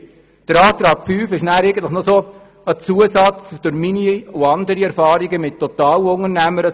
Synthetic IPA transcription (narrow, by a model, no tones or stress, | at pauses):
d̥əɾɑːt̪ɾɑːɡ̥fyːfɪʃnæːɾɛɪɡəntləχnɔsoː | ət͡suəsɑt͡sd̥ʊɾminiʊɑndəɾiɛɾfɑːɾiɡəmɪt̚tʰːɔt̪ɑːlʊŋənæməɾə